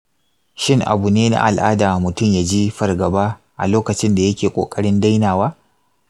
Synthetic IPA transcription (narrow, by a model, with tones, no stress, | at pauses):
ʃɪ˦˨ŋʔa̰˨bu˨neː˦na̰˦ʔa̰˨lʔa̰ː˦daː˨mʊ˨tʊ˦˨mjaː˨d͡ʒiː˦ɸɐ˨rɡɐ˨baː˦ | ʔa̰˨loː˦kɐ˨t͡ʃɪ˦nda˨jɐ˦kʲeː˨kʷʼo̰ː˨kʼɐ˦ɽɪ˦nda˦jnaː˨waː˦